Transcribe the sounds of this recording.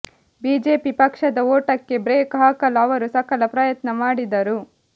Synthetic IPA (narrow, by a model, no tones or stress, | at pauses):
biːd͡ʒeːpipɐkʂɐd̪ɐoːʈɐkːe̞bɾeːkɦaːkɐlɐʋɐɾusɐkɐlɐpɾɐjɐt̪nɐmaːɽid̪ɐɾu